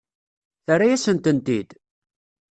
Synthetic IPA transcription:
θarːajæsənt̪ənt̪id̪

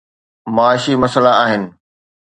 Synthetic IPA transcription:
maaːʃimɐsəlaaːɦɪnɪ̆

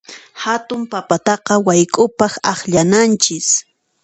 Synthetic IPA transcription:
hat̪ʊmpapat̪ɑqɑwajkʼʊpɑχɑχʎanant͡ʃɪs

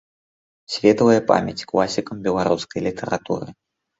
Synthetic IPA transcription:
sʲvʲɛt̪ɐvɐjɐpa̰mʲɐt͡sʲklˠasʲikɐmbʲɛlˠaɾuskɐjlʲit̪ʰɛɾat̪ṵɾɨ

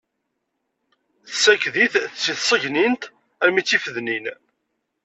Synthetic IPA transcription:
θsækðiθθt͡sːiθsˤəʝnint̪ | æɾmit͡sːifəðnin

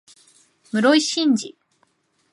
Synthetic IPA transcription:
mɯ̟ɾoiɕĩɲd͡ʑi

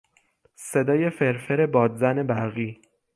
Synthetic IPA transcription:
se̞d̪ɒːje̞fe̞ɾfeɾe̞bɒːd̪zæne̞bæɾɣiː

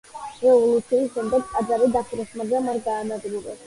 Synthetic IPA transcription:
ɾɛvɔlˠut̪sʰiːsʃɛmd̪aɡkʼad̪zaɾid̪apʰiɾɛsmazamaɾɡaːnad̪ɾuɾɛ̰s

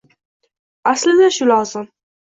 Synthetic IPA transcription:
aslɪd̪aʃʊlɒzɪm

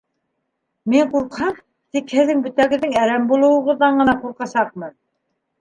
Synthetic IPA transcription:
miɴquɾqhɑm | t̪ikhɘ̆ðːɘŋbɵ̆t̪æɡɘ̆ðːɘŋæɾæmbulˠɤ̆wɤ̆ʁɤ̆ðːɑɴɢɤ̆nɑquɾqɑsɑq̚mɤn

